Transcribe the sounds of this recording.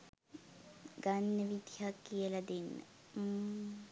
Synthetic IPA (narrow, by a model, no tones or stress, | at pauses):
ɡanːəʋid̪ijakːijəlɐd̪enːə̰